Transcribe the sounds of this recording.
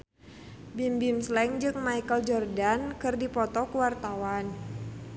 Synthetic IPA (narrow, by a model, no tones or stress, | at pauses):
bimbimslɛŋd͡ʒɨŋmaikəld͡ʒɔrdankɨrdipɔt̪ɔkuwart̪awan